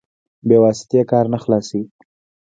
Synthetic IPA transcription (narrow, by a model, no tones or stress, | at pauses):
bewɑsɪ̥t̪jekɑɾnaxlɑse